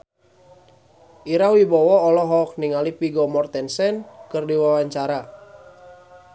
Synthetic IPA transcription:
ʔiɾahwibɔwɔːlɔɦɔk̚niŋalipiɡɔmɔrt̪ɛnsɛnkɨrdiwawaɲt͡ʃaɾa

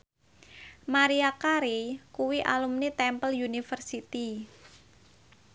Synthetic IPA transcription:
maɾiakaɾikuwiʔa̰lumnit̪ɛmpəljunifərsit̪i

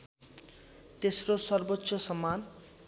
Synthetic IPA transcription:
t̪esɾosʌrbotːsosʌman

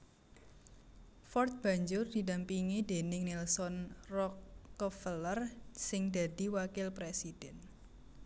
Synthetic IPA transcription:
fɔrt̪̚b̥ä̤ɲd͡ʒʊrd̥i̤dampiŋid̪e̤nɪŋnilsɔnrɔkːɔfələrsɪŋd̪a̤d̪̥i̤wakɪlpɾesid̥ɛn

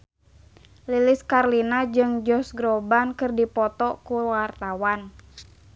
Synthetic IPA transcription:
lilɪskarlinad͡ʒɨŋd͡ʒɔsɡɾɔbankɨrdipɔt̪ɔkuwart̪awan

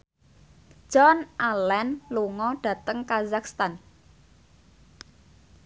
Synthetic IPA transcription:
d͡ʒ̥ɔnʔalɛnluŋɔɖ̥ä̤t̪əŋkazak̚st̪an

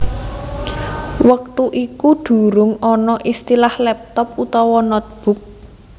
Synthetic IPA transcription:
wək̚t̪uʔikuɖ̪̥ṳɾʊŋɔnɔʔist̪ilahlɛp̚t̪ɔput̪ɔwɔnɔt̪̚b̥ʊ̤k̚

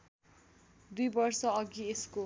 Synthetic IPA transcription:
d̪ujbʌrsʌʌɡiesko

